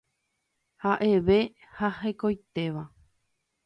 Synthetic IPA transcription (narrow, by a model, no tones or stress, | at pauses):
haʔe̞ʋe̞ | hahekojt̪e̞ʋa